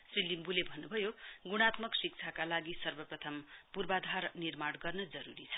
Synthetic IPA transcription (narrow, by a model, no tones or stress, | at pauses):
srilimbulebʱʌnːubʱʌjoɡuɽ̃at̪mʌksik̚t͡sʰakalaɡisʌrbʌprʌt̪ʰʌmpurbad̪ʱarnirmaɽɡʌrnʌd͡zʌɾuɾit͡sʰʌ̥